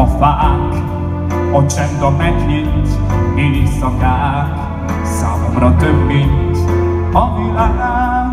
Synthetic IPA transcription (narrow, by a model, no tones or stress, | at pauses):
ɒfaːk | ɒt͡ʃɛnd̪ɒmɛɡɲint̪eːlisɒkaː | k | sa̰ːmomɾɒt̪øbːint̪ | ɒmilana